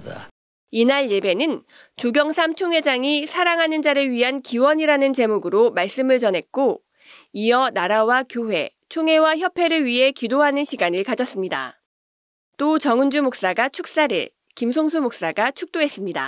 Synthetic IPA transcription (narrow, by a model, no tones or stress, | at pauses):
inaɭje̞be̞nɯn | t͡ɕoɡjʌŋsʰamt͡ɕʰoŋɦe̞d͡ʑaŋisʰaɾaŋɦanɯnd͡ʑaɾɯɭɥiɦankiwʌɲiɾanɯnt͡ɕe̞muɡɯɾomaɭs͈ɯmɯɭt͡ɕʌnɦe̞k̚k͈o | ijʌnaɾawakjoɸwe̞̰ | t͡ɕʰoŋɦe̞waçjʌpʰe̞ɾɯɭɥiɦe̞kidoɦanɯnɕʰiɡanɯɭkad͡ʑʌs͈ɯmɲida̰ | t͈ot͡ɕʌŋɯnd͡ʑumok̚s͈aɡat͡ɕʰuk̚s͈aɾɯ̰ɭ | kimsʰoŋsʰumok̚s͈aɡat͡ɕʰuk̚t͈oɦe̞s͈ɯmɲida̰